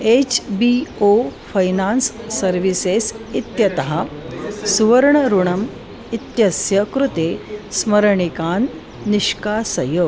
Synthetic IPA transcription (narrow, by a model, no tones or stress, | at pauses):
et͡ɕbiofɐjnansːɐɾʋisesit̪jɐt̪ɐɦasuʋəɾɳəɾuɳɐm | it̪jɐsjɐkɾut̪esməɾɳikaːnː | iʂkasɐjoː